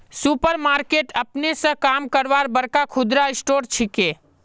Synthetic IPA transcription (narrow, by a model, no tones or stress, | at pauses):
supəɾmaɾkeʈəpnesə̃kamkəɾbaɾbəɾkakʰud̪ɾaisʈoɾt͡ʃʰike